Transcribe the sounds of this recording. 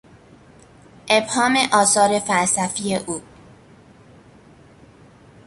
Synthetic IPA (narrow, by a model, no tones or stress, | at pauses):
ʔebhɒːmeʔɒːsɒːɾe̞fælsæfiːeʔuː